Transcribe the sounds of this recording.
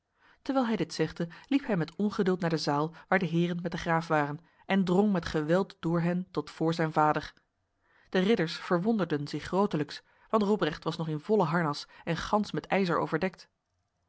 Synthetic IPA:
təɹʋɛːlˠɦɛjdɪtsɛχdəlipɦɛjmɛtɔnχədɵːlˠtnaːɹdəzaːlˠʋaːɹdəɦɪːrənmɛt̚dəχraːfʋaːrən | ʔɛndrɔŋmɛtχəʋɛlˠtd̥ʊːɹɦɛntɔtfʊːɹzɛjnvaːdəɹ | d̥ərɪdəɹsfəɹʋɔndəɹdənzɪχrowtələks | ʋɑntrɔbrɛχtʋɑsnɔχɪnvɔləɦɑɹnɑsɛnχɑnsmɛtɛjzəɹo̰wvəɹdɛk̚t

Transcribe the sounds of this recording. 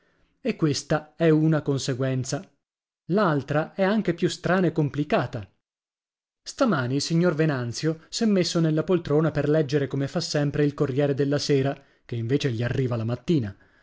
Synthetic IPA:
ekːwest̪aɛunakonseɡwɛnt̪sa | lalt̪ɾaɛaŋk̟epjust̪ɾaːnaekːomplikaːt̪a | st̪amaːnilsiɲːorvenant̪sjosɛmːesːonelːapolt̪ɾoːnaperlɛd͡ʒːeɾekomefasːɛmpɾeilkorːjɛːɾed̪elːaseːɾa | k̟eiɱveːt͡ʃeʎiarːiːvalamat̪ːiːna

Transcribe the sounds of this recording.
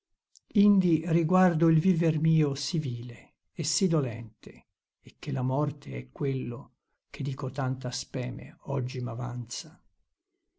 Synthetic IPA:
ind̪iriɡward̪oilviːvermiːosiviːleː | sːid̪olɛ̰nt̪eː | kːelamɔrt̪eɛkːwelːo | k̟ed̪iːkot̪ant̪aspɛːmḛɔd͡ʒːimavant̪sa

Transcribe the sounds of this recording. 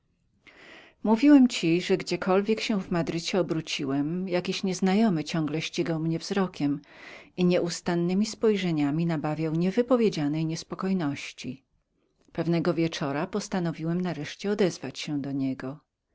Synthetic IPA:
muvʲiwɛmt͡ɕiʐɛɡd͡ʑɛkʰɔlvʲjɛkɕɛw̃vmad̪ɾɘt͡ɕɛɔbɾut͡ɕiwɛmjakʲiɕɲɛznajɔmɘt͡ɕɔ̃ŋɡlɛɕt͡ɕiɡawmɲɛvzɾɔkʲɛmiɲɛʔust̪anːɘmʲispɔjʐɛɲamʲinabavʲjawɲɛvɘpɔvʲjed͡ʑanɛjɲɛspɔkɔjnɔɕt͡ɕi | pɛvnɛɡɔvʲjɛt͡ʂɔɾapɔst̪anɔvʲiwɛmnaɾɛʂt͡ɕɛɔd̪ɛzvat͡ɕɕɛd̪ɔɲɛɡɔ

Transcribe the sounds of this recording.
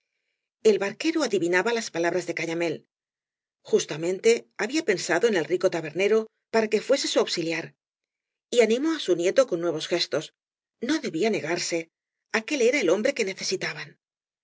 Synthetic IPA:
e̞lβaɾke̞ɾoaðiβinaβalaspalaβɾazðe̞kaɲame̞l | xust̪amẽ̞nt̪e̞aβiape̞nsaðo̞ene̞lriko̞t̪aβe̞ɾne̞ɾo̞ | paɾake̞fwe̞se̞suawβsiljaɾ | ianĩmo̞asunje̞t̪o̞ko̞nːwe̞β̞o̞sxe̞st̪o̞s | no̞ðe̞βiane̞ɣaɾse̞ | ake̞le̞ɾae̞lo̞mbɾe̞ke̞ne̞θe̞sit̪aβan

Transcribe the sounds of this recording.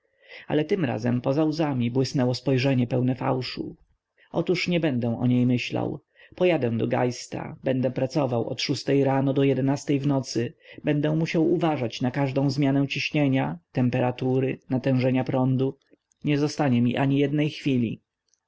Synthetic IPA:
a̰lɛt̪ɘmɾa̰zɛmpɔzawzamʲibwɘsnɛwɔspɔjʐɛɲɛpɛwnɛfa̰wʂṵ | ʔɔ̰t̪uʂɲɛbɛnd̪ɛ̃ʔɔ̰ɲejmɘɕla̰w | pɔjad̪ɛ̃d̪ɔɡa̰jst̪a̰bɛnd̪ɛpɾat̪sɔvawɔ̰t̪ʂust̪ɛjɾanɔd̪ɔjɛd̪ɛnast̪ɛjvnɔt̪sɘbɛnd̪ɛ̃muɕawuvaʐat͡ɕnakaʐd̪ɔ̃w̃zmʲjanɛ̃t͡ɕiɕɲeɲat̪ɛmpɛɾat̪uɾɘnat̪ɛ̃w̃ʐɛɲapɾɔnd̪u | ɲɛzɔst̪aɲɛmʲiʔaɲijɛd̪nɛjxfʲilʲḭ

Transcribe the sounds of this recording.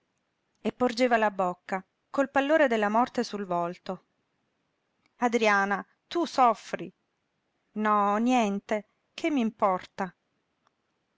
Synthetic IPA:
epːord͡ʒeːvalabokːa | kolpalːoːɾed̪elːamɔrt̪esulvɔlt̪o | ad̪ɾiaːna | t̪usɔfːɾi | nɔnjɛnt̪e | kʰemːimpɔrt̪a

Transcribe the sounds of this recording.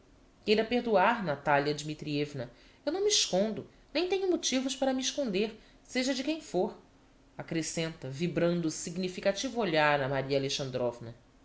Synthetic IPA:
kejɾɐpeɾd̪uaɾnat̪aljɐd͡ʒimit̪ɾievnɐ | ewnɐ̃w̃miːʃkõnd̪ʊ | nẽj̃t̪ẽɲʊmot͡ʃivʊʃpaɾɐmiiʃkõnd̪eɾ | seʒɐd͡ʒɪkẽj̃foɾ | akɾesẽnt̪ɐvibɾɐ̃nd̪ʊsiɡnifikat͡ʃivʊoʎaɾɐmaɾiɐaleʃɐ̃nd̪ɾɔvnɐ

